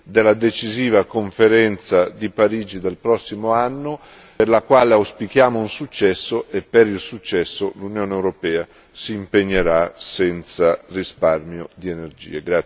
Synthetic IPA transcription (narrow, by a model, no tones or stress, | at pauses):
d̪elːad̪et͡ʃiziːvakoɱfeɾɛnt̪sad̪ipaɾiːd͡ʒid̪elpɾɔsːimoanːo | erlakwaːleawspik̟jaːmounsut͡ʃːɛsːoʔepːeɾilsut͡ʃːɛsːolunjoːneewɾopɛːa | siːmpeɲːeɾasɛnt̪sarisparmjod̪ienerd͡ʒḭːeɡɾa